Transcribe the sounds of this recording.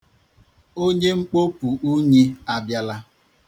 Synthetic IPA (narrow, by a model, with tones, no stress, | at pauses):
o˦ɲe˦ŋ͡m̩˦k͡po˦pu˨ʔu˦ɲe˦a˦bja˦la˦